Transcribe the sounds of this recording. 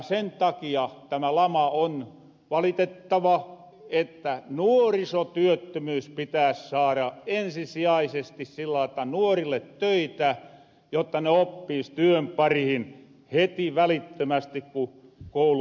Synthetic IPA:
sent̪ɑkiɑt̪æmælɑmɑon | ʋɑlit̪et̪ːɑʋɑ | et̪ːænuorisot̪yøt̪ːømyːspit̪æːssɑːɾɑensisiɑisest̪issilːɑit̪ːɑnuorilːet̪tøit̪æ | jot̪ːɑneopːiːst̪yømpɑrihin | het̪iʋælit̪ːømæst̪ikku | koulu

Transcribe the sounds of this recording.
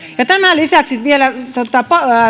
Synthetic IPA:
jɑt̪æmælisæˑksit̪ʋielæt̪ot̪ɑpɑ

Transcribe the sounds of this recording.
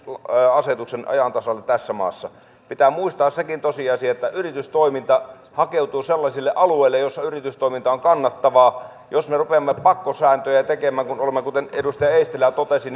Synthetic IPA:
ɑset̪uksenɑ̰jɑnt̪ɑsɑlːett̪æsːæmɑ̰ːsːɑ | pit̪æːmuist̪ɑːssekint̪osiɑsiɑet̪ːæʔyrit̪yst̪oimint̪ɑ | hɑkeuwt̪uːselːɑsilːeʔɑlueilːejjosːɑyrit̪yst̪oˑimint̪ɑoŋkɑnːɑt̪ːɑʋɑː | josmerupeɑmːepɑkːosæːnt̪øjæt̪ekemæːŋkunolemːekut̪enedust̪ɑjɑeist̪elæt̪ot̪esin

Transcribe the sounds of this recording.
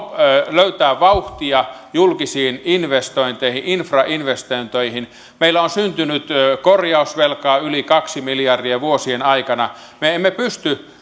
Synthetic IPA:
løyt̪æːʋʋɑuht̪iɑjulkisiːninʋest̪oint̪eihiʔinfrɑʔinʋest̪oint̪oihin | meilːˑæonsynt̪ynyt̪korjɑusʋelkɑːylikɑksimiljɑrdiɑʋuosienɑikɑnɑ | meemːepyst̪y

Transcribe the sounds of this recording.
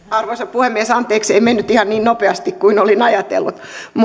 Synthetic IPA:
ɑrʋoisɑppuhemːiesɑnt̪eːkseimenːyt̪ihɑnniːnnopeɑst̪ikkuinolinɑjɑt̪ḛlːṵt̪m

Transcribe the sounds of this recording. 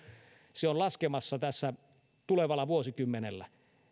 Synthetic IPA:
seollɑskemɑsːɑt̪æsːæ | t̪uleʋɑlɑʋuosikymːenelːæ

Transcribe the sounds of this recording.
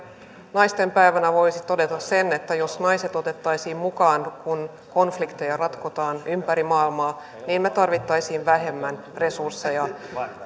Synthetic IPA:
nɑjst̪e̞mpæiʋænæʋo̞isit̪o̞det̪ɑssene̞t̪ːæjosnɑjse̞t̪o̞t̪e̞t̪ːɑjsiːmmukɑːnkun | ko̞nflikt̪ejɑrɑt̪kot̪ɑːnympæɾimɑːilmɑː | niːmmet̪ɑrʋit̪ːɑjsiːnʋæɦe̞mːæn | re̞sursːejɑ

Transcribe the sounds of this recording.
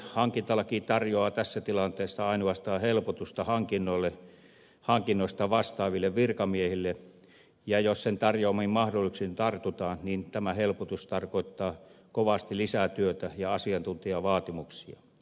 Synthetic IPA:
hɑŋkint̪ɑlɑkiːt̪ɑrjoɑːt̪æsːæt̪ilɑnt̪eːsːɑɑinuɑst̪ɑːhelpot̪ust̪ɑhɑŋkinːolːe | hɑŋkinːoˑist̪ɑʋɑst̪ɑːʋilːeʋʋirkɑmiehilːe | jɑjossent̪ɑrjoːmimmɑhdolːˑiksint̪ɑrt̪ut̪ɑːnnint̪æmæhelpot̪ust̪ɑrkoit̪ːɑːkoʋɑst̪ilisæt̪yøt̪æjɑɑsiɑnt̪unt̪iɑʋɑːt̪imuksiɑ̰

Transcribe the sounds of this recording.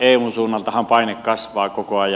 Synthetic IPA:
eˑːunsuːnːɑlt̪ɑhɑmpɑˑinekkɑsʋˑɑːkokoɑjɑ

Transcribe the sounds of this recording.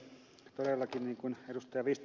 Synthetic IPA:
t̪odelːɑkinniːŋkunedust̪ɑjɑʋiːst̪

